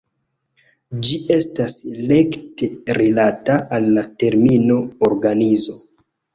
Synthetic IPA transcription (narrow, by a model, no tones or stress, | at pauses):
d͡ʒiʔe̞stasle̞ktʰe̞ɾelataʔːlːate̞ɾmino̞oɾɡanizo̞